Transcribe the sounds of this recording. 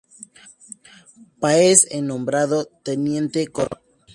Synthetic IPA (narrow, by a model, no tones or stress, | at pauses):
paesenõmbɾaðot̪enjent̪ekoɾ